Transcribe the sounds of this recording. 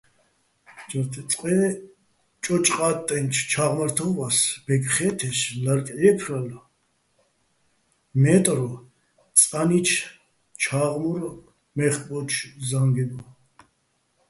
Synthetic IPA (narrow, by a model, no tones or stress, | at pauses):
d͡ʒəɾt̪ʰɛt͡sʼqʼvɛ | t͡ʃʼɔt͡ʃʼqʼat̪ʼːɛnt͡ʃʰt͡ʃʰaʁməɾt̪ʰɔvasb̥ɛɡχɛt̪ʰɛʃlaɾkʼɛpʰɾala | mɛt̪ʼɾɔ | t͡sʼanit͡ʃʰ | t͡ʃʰaʁmuɾ | mɛχpʼɔt͡ʃʰzaŋɡɛd̪ɔ